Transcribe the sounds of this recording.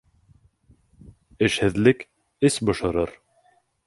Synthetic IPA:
ɘ̆ʃhɘ̆ðlɘk | ɘsbŏʃɤ̆ɾɤɾ

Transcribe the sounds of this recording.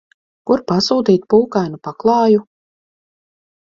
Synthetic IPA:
kuɾpasuːt̪iːt̪̚puːkajnupaklˠɑːju

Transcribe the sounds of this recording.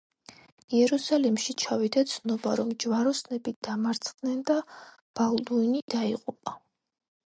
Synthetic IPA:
iɛɾusalimʃit͡ʃʰavid̪at̪sʰnɔbaɾɔmd͡ʒwaɾɔsnɛbid̪̥amaɾt̪sʰχd̪nɛnd̪a | b̥ald̪uinid̪aiqʼupʼa

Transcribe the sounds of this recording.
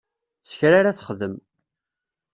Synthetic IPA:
sçɾaɾaθə̥χðəm

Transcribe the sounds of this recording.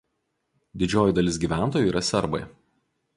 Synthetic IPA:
d̪ʲɪd͡ʒʲoːjʊd̪ɐlʲɪs̬ɡʲiːʋʲæˑnt̪oːjuiːɾɐsʲɛɾbɐ̰ɪ

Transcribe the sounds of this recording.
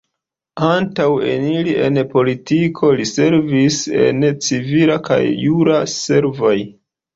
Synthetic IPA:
antawe̞̰nilie̞npo̞litikʰo̞lise̞ɾvise̞̰nt͡sivilaka̰jːuɾase̞ɾvoj

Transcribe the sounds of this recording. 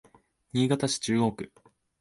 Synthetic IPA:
ɲ̟iːɡat̪aɕi̥t͡ɕɨːɡo̞ːkɯ̟

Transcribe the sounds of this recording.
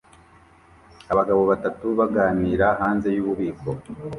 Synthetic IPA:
aβaɡaβo̞βatatuβaɡaːniːɾaɦaːnze̞juːβuβiːko̞

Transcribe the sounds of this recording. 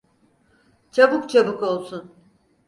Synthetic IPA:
t͡ʃʰabukt͡ʃʰabuko̞lˠsun

